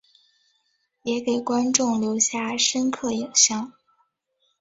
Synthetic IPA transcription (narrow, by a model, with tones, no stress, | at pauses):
jɛ˧˥ke˨˩ɪkwa˥nʈ͡ʂʊ˥˩ŋljo˧˥ʊɕja˥˩ʂə˥nkʰɤ˥˩ji˨˩ŋɕjɑ˥˩ŋ